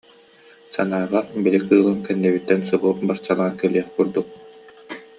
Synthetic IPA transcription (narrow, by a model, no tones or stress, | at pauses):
sanaːʁabilikɯːlˠɯŋkɛnːɛβit̪ːɛnsuɡubaɾt͡ɕalˠaːnkɛliɛχkuɾd̪uk̚